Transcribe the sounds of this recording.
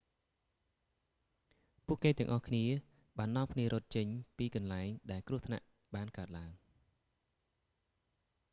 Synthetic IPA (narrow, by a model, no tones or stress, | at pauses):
puəʔkːeːt̪ɛ̆əŋʔɑhkʰniə | ɓaːnːŏəmpʰniəɾot̪̚t͡ɕəɲpiːkɑnlaɛŋɗaɛlkruət̪ʰna̰ʔ | ɓaːnkaət̪̚laəŋ